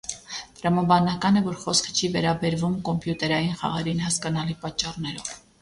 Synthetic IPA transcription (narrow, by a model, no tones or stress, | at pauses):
t̪ɾɑmɑbɑnɑkɑnɛvɔɾχɔskʰə̥t͡ʃʰivɛɾɑbɛɾvumkɔmpjut̪ɛɾɑjinχɑ̰ʁɛɾinhɑskɑnɑlipɑt͡ʃːɑrnɛɾɔv̥